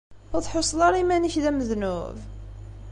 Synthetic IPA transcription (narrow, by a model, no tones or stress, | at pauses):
θɑðˤħosˤlɑɾˤimæniçðæməðnʊ̰v